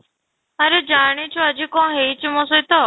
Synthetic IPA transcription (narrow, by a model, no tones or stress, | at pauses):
əɾeːd͡ʒaːɳiːt͡ʃʰoːəd͡ʒikõːɦeːt͡ʃmõːsot̪oː